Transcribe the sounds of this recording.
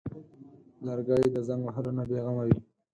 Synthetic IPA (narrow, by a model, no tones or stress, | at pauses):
laɾɡɑjid̪əzaŋɡwaɦalonabeɣamawi